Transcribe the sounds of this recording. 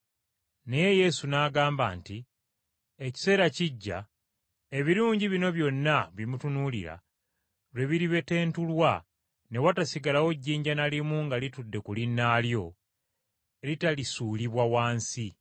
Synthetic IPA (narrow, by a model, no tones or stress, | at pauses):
ne̞je̞je̞sunaːɡaːmba̰ːnti | eci̥se̞ːɾaciɟːa̰ | e̞βiɾuːɲɟiβino̞βjo̞nːaβimutunulḭɾa̰ | lwe̞βiɾiβe̞te̞ːntulwa | ne̞watasiɡalawo̞ɟːiːɲɟanalimuŋɡalitudːe̞kulinːaːljo̞ | elitalisuːliβwawaːnsi